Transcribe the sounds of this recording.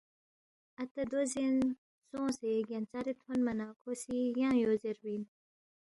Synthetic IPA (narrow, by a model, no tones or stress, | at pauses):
ɐt̪ad̪ozin | sõːseɡant͡saɾit̪ʰwonmɐnaːkosijãːjozeɾwin